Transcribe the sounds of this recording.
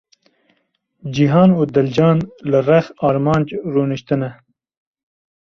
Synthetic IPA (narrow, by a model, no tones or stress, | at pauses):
d͡ʒiɦɑːnod̪ɐld͡ʒɑːnlaɾaxɑːɾmɑːnd͡ʒɾoːniɕt̪əna